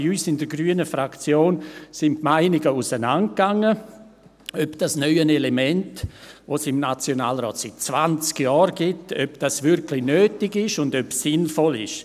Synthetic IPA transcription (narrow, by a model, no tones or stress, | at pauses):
iyːsɪndəɾɡɾyənəfɾakt͡sjoːnsɪntmaɪnɪɡəusənant̚ɡ̥aŋːə | œpd̥asnœʏənelemɛntʋosɪmnat͡sjonaːlɾɔ̰ːtsit̚t͡svant͡skjɔːɾɡɪtøpd̥asʋɪɾkʰlɪnøːtɪɡɪʃʊndøpsɪnfɔlɪ̰ʃ